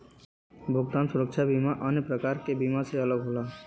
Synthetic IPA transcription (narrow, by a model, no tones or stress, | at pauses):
bʱʊɡt̪aːnsʊɾəkt͡ʃʰabimaʔənjəpɾəkaːɾkebimaseələɡɦolaː